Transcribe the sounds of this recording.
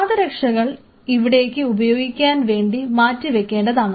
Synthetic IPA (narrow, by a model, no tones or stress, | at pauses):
aːðɐɾɐkʂɐɣɐɭ | iʋiɽe̞ːkːɨubɐjo̞ːɡikʲːaːnʋe̞ːɳɖimaːtːɨʋe̞kːe̞ːɳɖɐðaːɳ